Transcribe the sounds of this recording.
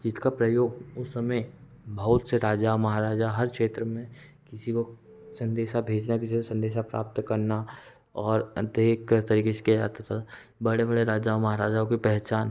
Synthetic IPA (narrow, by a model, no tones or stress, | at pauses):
d͡ʒɪskapɾɐjoːɡʊsːɐməj | bʱɐɦʊt̪seɾaːd͡ʒaʋmɐɦaɾaːd͡ʒaɦɐɾkʃeːt̪ɾəmẽ | kɪsiko | sɐ̃nd̪eːʃabʱeːd͡ʒnakɪsisesɐ̃nd̪eːʃapɾa̰ːp̚t̪kɐɾna | ɔːɾd̪eːkʰːəɾt̪ɐɾiːkeʃkiad͡ʒa̰ːt̪at̪ʰa | bɐɽebɐɽeɾaːd͡ʒaːʋmɐɦaːɾaːd͡ʒaõkipɛɦt͡ʃaːn